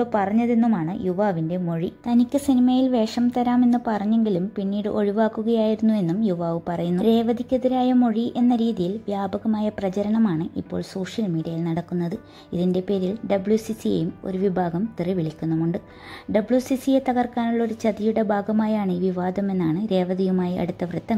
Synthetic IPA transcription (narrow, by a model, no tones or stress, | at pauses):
opɐrɐɲːɐðe̞nːumaːɳɨjuʋaːʋinde̞mo̞ɻit̪ɐnikʲːɨsinimɐjilʋe̞ːʂɐmt̪ɐɾaːme̞nːɨpɐrɐɲːe̞ŋɡilumpinːiːɽɨ̰ʔo̞ɻiʋaːkːuɣɐjaːjiɾunːue̞nːumjuʋaːʋɨpɐrɐjunːuɾe̞ːʋɐd̪ʱikʲːɐðɐɾaːjɐmo̞ɻiʔe̞nːɐɾiːðijilʋjaːbɐɣɐmaːjɐprɐt͡ɕɐɾɐɳɐmaːɳɨʔipːo̞ːɭso̞ːʂjɐlmiːɽijɐjilnɐɽɐkːunːɐðɨ | iðinde̞pe̞ːɾilɖɐbɭjusisiḛjumo̞̰ɾuʋibʱaːɡɐmt̪iriʋiɭikʲːunːɐmuɳɖɨ | ɖɐbɭjusisijet̪ɐɣɐrkaːnuɭːo̞ɾut͡ɕɐd̪ijuɽe̞bʱaːɡɐmaːjaːɳiːʋiʋaːd̪ʱɐme̞nːaːɳɨɾe̞ːʋɐd̪iɣumaːjiʔɐ̰ɽut̪ːɐprɨt̪ːɐŋ